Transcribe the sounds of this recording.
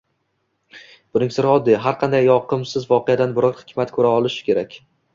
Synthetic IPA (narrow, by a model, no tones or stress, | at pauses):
b̥ʊnɪŋsɪɾɒd̪ːɪɦaɾqʰɑnd̪ajːɒqɨmsɪzvɒqead̪anbʊɾɒɾhɪkʲmat̪kʰɵɾaɒlˠɪʃɪ̥kʲe̞ɾakʲ